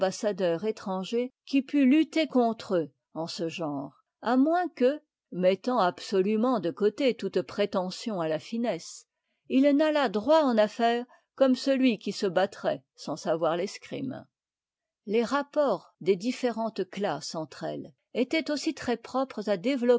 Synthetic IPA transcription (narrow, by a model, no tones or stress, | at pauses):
basad̪œʁet̪χɑ̃ʒekʲipylyt̪ekɔ̃t̪χø | ɑ̃səʒɑ̃ːʁ | amwɛ̃kə | mɛt̪ɑ̃absɔlymɑ̃d̪əkot̪et̪ut̪pχet̪ɑ̃sjɔ̃alafinɛs | ilnalad̪ʁwaɑ̃nafɛːʁ | kɔmsəlɥikʲisəbat̪χɛ | sɑ̃savwaʁleskχḭm | leʁapɔʁ | d̪ed̪ifeʁɑ̃t̪klasɑ̃t̪χɛ̰l | et̪ɛt̪osit̪χɛpχɔpχəzad̪evlɔ